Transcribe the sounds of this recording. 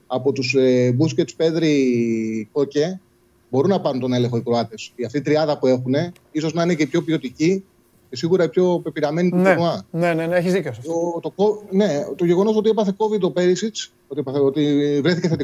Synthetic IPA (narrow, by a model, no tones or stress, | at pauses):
ɐpo̞t̪usebusce̞t̪spe̞ðɾi | ko̞ce | bo̞ɾunɐpɐɾunt̪o̞ne̞le̞ŋxo̞ikɾoɐt̪e̞siɐft̪iːt̪ɾiɐðɐpue̞xune̞ | iso̞znɐinecepço̞pio̞t̪ici | ce̞siɣuɾɐipço̞pepiɾɐme̞nit̪unuɐneneneeçizðicofsot̪okone̞t̪o̞ʝe̞ɣo̞no̞so̞t̪iepɐθe̞ko̞vid̪t̪ope̞ɾisit͡s | ot̪iepɐθeot̪ivɾe̞θiceθet̪i